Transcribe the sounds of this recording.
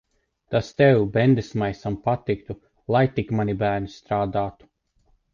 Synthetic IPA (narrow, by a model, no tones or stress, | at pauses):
t̪ast̪ɛwbɛnd̪esmajsampat̪ːik̚t̪u | lˠajt̪ikmanʲibæːɾnist̪ɾaːd̪aːt̪u̥